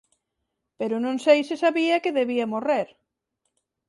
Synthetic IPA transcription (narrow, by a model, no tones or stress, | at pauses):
peɾʊnõŋsejsesaβiɐkeðeβiɐmoreɾ